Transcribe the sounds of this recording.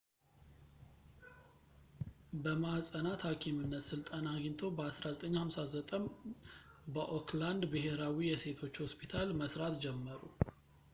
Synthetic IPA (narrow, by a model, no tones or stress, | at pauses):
bəmasʼənat̪hakʰimɨnːət̪sɨlt̪ʼənaɡint̪ʰo̞bəasɾazət̪ʼəɲːhamsazət̪ʼəm | bəʔokʰland̪bɨɦe̞ɾawijɛse̞t̪ʰo̞t͡ʃːho̞spʰit̪ʰalməsɾat̪d͡ʒɛmːəɾṵ